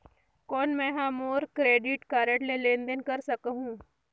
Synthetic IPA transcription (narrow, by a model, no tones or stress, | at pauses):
kɔːnmɛ̃ɦamoːɾkɾeːɖɪʈkaːɾəʈlelẽːnd̪ənkɐɾsɐkɦũː